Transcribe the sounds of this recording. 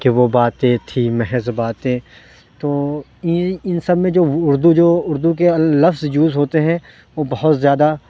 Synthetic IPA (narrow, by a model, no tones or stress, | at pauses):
keʋobaːt̪ẽt̪ʰimɛɦɛzbaːt̪ẽ | t̪oː | ɪnsɐbmẽd͡ʒoːʊɾd̪ud͡ʒoːʊɾd̪uk̬elɐfzjuːzɦoːt̪eɦɛ̃ | ʋoːbɐɦʊt̪zjaːd̪a